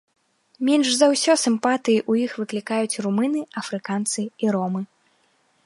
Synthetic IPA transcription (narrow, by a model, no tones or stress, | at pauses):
mʲɛnʐzɐwsʲɔsɨmpat̪ɨjiʔujixvɨklʲikajut͡sʲrumɨnɨɐfɾɨkant̪sɨiɾɔmɨ